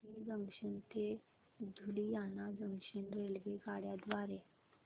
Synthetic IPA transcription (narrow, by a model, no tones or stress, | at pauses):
id͡zəŋɕənt̪e | d͡zʱulijanad͡zəŋɕenɾelʋeɡaɽjad̪ʋaɾe